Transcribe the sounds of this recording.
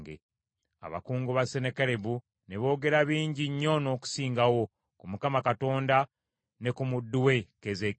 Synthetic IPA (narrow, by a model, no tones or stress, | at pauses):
ɡḛ | a̰βa̰kuːŋɡoβase̞nekeɾe̞βu | ne̞βo̞ːɡe̞ɾaβiːɲɟiɲːo̞no̞ːku̥siːŋɡawo̞ | kumukamakato̞ːnda | ne̞kumudːuwe̞keze